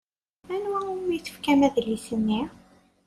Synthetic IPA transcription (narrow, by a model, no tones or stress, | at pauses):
ænwæmijθə̥fkæmæðəlːisənːi